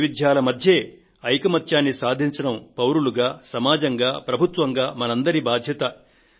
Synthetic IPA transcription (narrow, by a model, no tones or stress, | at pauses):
ʋid̪ʱjaːlɐmɐd̪ʱje̞ː | ɐjkɐmɐt̪ʰjaːnːisaːd̪ʱiɲt͡ʃɐɽɐmpɐwɾuluɡaːsɐmaːd͡ʒɐŋɡaːpɾɐbʱut̪ʋɐŋɡaːmɐnɐnd̪ɐɾibaːd̪ʱjɐt̪ɐ